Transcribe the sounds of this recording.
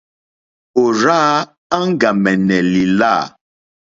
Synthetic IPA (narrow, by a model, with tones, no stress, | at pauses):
o˨ɾaː˦ | a˦ŋ̩˦ɡa˨mɛ˨nɛ˨li˨laː˦˨